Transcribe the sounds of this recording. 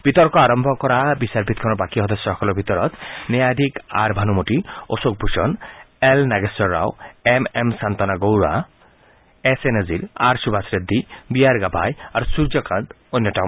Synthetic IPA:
b̥it̪ɔɾkɔaɾɔmbʱɔkɔɾabisaɾpit̪̚kʰɔnɔbakiɦɔd̪osːɔkʰɔlɔbʱit̪ɔɾɔt̪nejad̪ʱika̰ɾbʱanumoʈio̰sok̚bʱuʃɔnelnaɡesɔɾːa̰wememsant̪ɔnaɡowɾa̰ | eseneziɾa̰ɾsubʱasɾed̪ʱːibiaɾɡabʱa̰jaɾusuɾd͡ʒɔkãnd̪ | onːɔʈa

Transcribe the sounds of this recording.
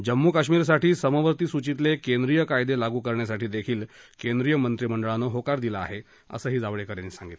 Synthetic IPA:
d͡ʑəmːuːkaɕmiːɾs̬aʈʰiːsəməʋəɾt̪iːsut͡ɕit̪lekend̪ɾijəkajd̪elaɡuːkəɾɳjasaʈiːd̪ekʰiːlkend̪ɾijəmənt̪ɾiməɳɖəɭanoɦokaɾd̪ilaa̰ɦe | ə̰səːɦiːd͡zaʋɭekəɾenisaŋɡit̪l

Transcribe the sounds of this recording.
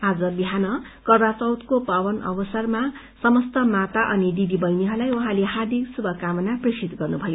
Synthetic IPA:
ad͡zʌbiɦanʌkʌrwat͡sʌwt̪kopawʌnʌ̰bʌsʌrma | sʌmʌst̪ʌmat̪aʔʌnid̪id̪ibʌjniɦʌlajuɦãleɦard̪ʱiksubʱʌkamʌnaprisit̪ɡʌrnubʱʌjo

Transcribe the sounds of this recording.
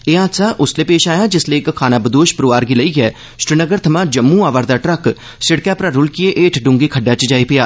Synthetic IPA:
eːãːt̪saːʔʊsleːpeːʃaːjaːd͡ʒɪsleːkkʰːaːnaːbəd̪oːʃpəɾoʋaːɾɡiːləiːɡɛː | sɾɪnəɡəɾt̪ʰəmãːd͡ʒəmːũːaːʋəɾd̪aːʈɾək | sɪɽkãːpɾaːɾʊlkieʔeːʈʰɖʊ̃ŋɡeːkʰəɖjaːt͡ʃd͡ʒaːiːpɪjaː

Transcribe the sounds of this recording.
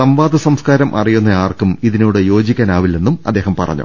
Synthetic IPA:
sɐmʋaːd̪ɐsɐmskaːɾɐmʔɐ̰rijunːɐjaːrkumiðinoːɽɨjo̞ːd͡ʑikʲːaːnaːʋilːe̞nːumɐd̪ːe̞ːɦɐmpɐ̰rɐ̰ɲːṵ

